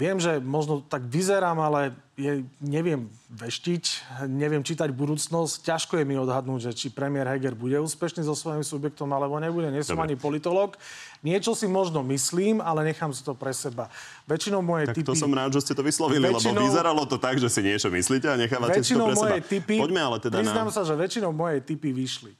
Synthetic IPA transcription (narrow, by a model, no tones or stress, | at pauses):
ʋɪɛmʒɛmɔʒnɔt̪aɡʋizɛɾaːmalɛ | jɛɲɛʋɪɛmʋɛʃcicɲɛʋɪɛmt͡ʃit̪aɟbud̪uːt͡snɔsccaʃkɔjɛmiɔd̪ɦad̪nuːɟʒɛt͡ʃipɾɛmɪɛɾɦɛɡɛɾbuɟɛuːspɛʃniːzɔsʋɔjimsubjɛk̚t̪ɔmalɛbɔɲɛbuɟɛɲɪɛsɔmaɲipɔlit̪ɔlɔːkɲɪɛt͡ʃɔsimɔʒnɔmisliːmalɛɲɛxaːmsi̥t̪ɔpɾɛsɛba | ʋɛt͡ʃinɔʊmɔjɛjaisɔmɾaːd̪ʒɛscɛt̪ɔʋislɔʋililɛbinizɛɾalɔt̪ɔt̪aɡʒɛsiɲɪɛt͡ʃɔmisliːcɛaɲɛxaːʋaʋɛɛst͡ʃiɔɾɛmɔɛɔjɛjt̪ipiɔɟmɛalɛt̪ɛd̪aɾiznaːmsaʒɛʋɛt͡ʃinɔʊmɔjɛjt̪ipiʋiʃli